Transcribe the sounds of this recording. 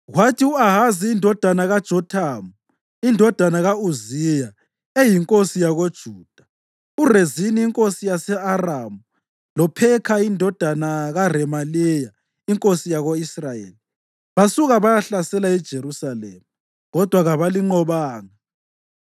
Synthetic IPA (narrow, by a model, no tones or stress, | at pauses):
ɣwatʰiuaɦaziːndʱɔd̥ʱanaɣad̥ʒ̥ʱɔtʰaːmu | indʱɔd̥ʱanaɣauzija | ejiŋkʼosijaɣod̥ʒ̥ʱuːd̥ʱa | ureziniiŋkʼosijasɛaramu | lɔpʰɛkʰaindʱɔd̥ʱanaɣarɛmalija | iŋkʼosijaɣoisrajḛːli | βasuɣaβajaɬasɛlaɛd̥ʒ̥ʱeɾusalḛːmu | ɣɔd̥ʱwaɣaβaliŋ͡ǃɔβaːŋa